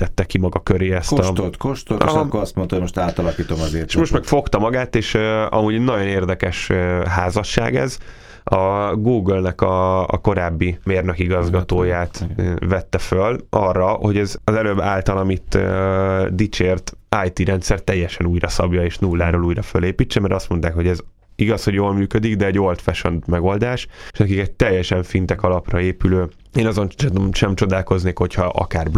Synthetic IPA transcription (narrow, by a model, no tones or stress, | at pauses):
t̪ɛt̪ːɛkimɒɡɒkøɾeːɛst̪ɒot̪koʃt̪ot̪kkːoɒst̪mo̞nt̪omoʃt̪aːt̪ɒlɒkiːt̪o̞mɒzee̥ʃmo̞ʃt̪mɛkfo̞kt̪ɒmɒɡaːt̪eːʃøɒ̰muːɟnɒɟo̞neːrd̪ɛkɛʃɦaːzɒʃːa̰ːɡɛ̰z | ɒɡuːɡølnɛkɒ̰ːko̞ɾaːbːimeːrnøkiɡɒzɡɒt̪oːjaːt̪vɛt̪ːɛfølʔɒrːɒho̞ɟɛzɒzɛløbːaːlt̪ɒlɒmit̪ | d̪it͡ʃeːrt̪aːjt̪iɾɛnt̪sɛrt̪ːɛjːɛʃɛnuːjrɒsɒbjɒeːʃnulːaːɾoːluːjɾɒføleːpiːt͡ʃːɛmɛɾɒst̪mo̞nt̪aːkho̞ɟɛz | iɡɒsho̞ɟjoːlmyːkød̪iɡd̪ɛɛɟo̞lt̪fɛʃønt̪mɛɡo̞ld̪aːʃeʃnɛkikɛt̚t̪ɛjːɛʃɛɱfint̪ɛkɒlɒprɒeːpyløː | eːnɒzo̞nmʃɛmt͡ʃo̞d̪aːlko̞zneːkho̞chɒʔɒ̰kaːrb